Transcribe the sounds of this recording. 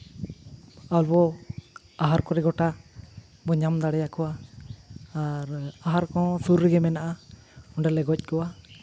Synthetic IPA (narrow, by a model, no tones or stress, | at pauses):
albɔ | aɦaɾkɔɾɛɡɔʈa | bɔɲamd̪aɽɛjakɔwaː | ɾaɦaɾkɔ̃suɾːɛɡɛmɛnaʔa | ɔɳɖɛlɛɡɔc̚ˀkɔwa